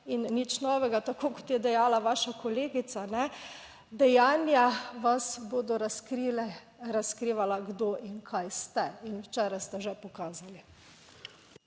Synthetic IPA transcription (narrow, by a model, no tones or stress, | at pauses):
inːit͡ʃnɔːʋɛɡat̪akoːkɔt̪jɛd̪ɛjaːlaʋaːʃakɔleːɡit̪sanɛ | d̪ɛjaːnjaʋasboːd̪ɔɾaskɾilɛ | ɾaskɾiːʋalaɡd̪oʔinkʰajst̪ɛinwt͡ʃɛːɾajst̪ɛʒɛpɔkaːzali